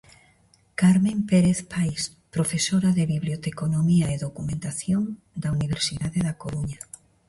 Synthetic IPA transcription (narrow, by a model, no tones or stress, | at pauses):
kaɾmẽmpeɾeθpajs | pɾofesoɾaðeβiβljot̪ekonomiaeðokumẽnt̪aθjon | d̪auniβ̞eɾsiðaðeðakoɾuɲa